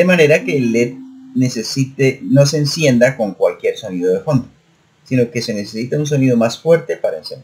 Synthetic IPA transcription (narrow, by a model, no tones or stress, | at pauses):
emane̞ɾake̞let̪̚ne̞sesit̪eno̞se̞ːnsje̞nd̪ako̞ŋkwalkje̞ɾso̞niðoðefo̞nd̪o | sino̞ke̞se̞ne̞sesit̪auns̬o̞niðo̞masfwe̞ɾt̪e̞paɾaensend̪